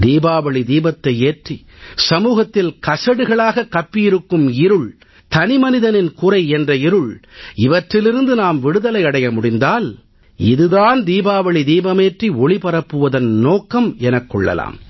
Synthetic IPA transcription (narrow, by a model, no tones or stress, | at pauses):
d̪iːbaːʋɐɭid̪iːbɐt̪ːɐɪeːʈri | sɐmuːɣɐt̪ːɪlkɐsɐɽɯɣɐɭaːɣɐkːɐpːɪjɪɾɯkːɯmɪɾɯɭ | t̪ɐnɪmɐnɪðɐnɪnkʊrɐɪɛndrɐɪɾɯɭɪʋɐʈrɪlɪɾɯnd̪ɯnaːmʋɪɽɯðɐlɐɪɐɽɐjɐmʊɽɪnd̪aːl | ɪðɯðaːnd̪iːbaːʋɐɭid̪iːbɐmeːʈriɔɭipɐɾɐpːɯʋɐðɐnnoːkːɐmɛnɐkːɔɭːɐ̰la̰ːm